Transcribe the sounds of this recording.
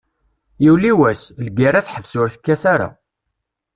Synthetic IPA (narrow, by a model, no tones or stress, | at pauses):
jiwliwæslɡiɾaθħəvsʊɾθə̥kːæθaɾa̰